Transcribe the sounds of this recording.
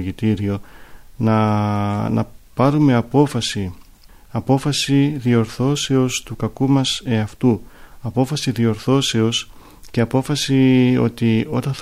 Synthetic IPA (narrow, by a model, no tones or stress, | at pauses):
ʝit̪iɾio̞nɐ | nɐ̰pɐɾume̞ɐpo̞fɐsi | ɐpo̞fɐsiðio̞ɾθo̞se̞o̞st̪ukɐkumɐse̞ɐft̪uɐpo̞fɐsiðio̞ɾθo̞se̞o̞s | ce̞ɐpo̞fɐsio̞̰t̪io̞̰t̪ɐnθ